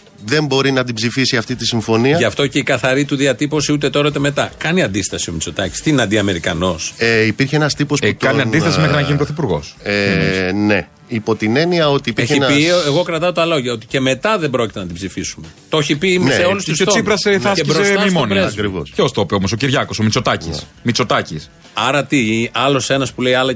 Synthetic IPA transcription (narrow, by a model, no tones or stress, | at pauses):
ðe̞mbo̞ɾinɐt̪ibzifisiɐft̪it̪isiɱfo̞niɐʝɐft̪o̞ce̞ikɐθɐɾit̪uðiɐt̪ipo̞siut̪e̞t̪o̞ɾɐut̪eme̞t̪ɐkɐniɐnd̪ist̪ɐsio̞mit͡so̞t̪ɐci̥st̪inɐd̪iɐme̞ɾikɐno̞seipiɾçeenɐst̪ipo̞sut̪ɐniɐnd̪istɐssmexɾinɐinpɾoθipuɾɣo̞̰sene̞ | ipot̪ine̞niɐo̞t̪ieçiieɣo̞kɾɐt̪ɐot̪ɐlo̞ʝɐo̞t̪i̥ce̞me̞t̪ɐðe̞bɾo̞cit̪enɐt̪ibzifisume̞t̪o̞çipiimseolust̪usot̪t͡sosipɾɐseɐseɾosesmimoniɐkɾivo̰ceost̪opiomos̬o̞ciɾʝɐko̞so̞mit͡so̞t̪ɐcḭsmit͡so̞t̪ɐcis | ɐɾɐt̪iɐlo̞se̞nɐspuleiɐlɐ